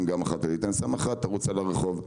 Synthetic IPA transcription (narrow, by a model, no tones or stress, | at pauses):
mɡamaχat̪alit̪ansamaχat̪ːaʁut͡salaʁeχo̞v